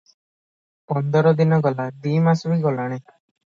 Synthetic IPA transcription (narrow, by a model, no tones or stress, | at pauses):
pɔnd̪ɔɾɔd̪inɔɡɔlad̪imasɔbiɡɔlaɽ̃e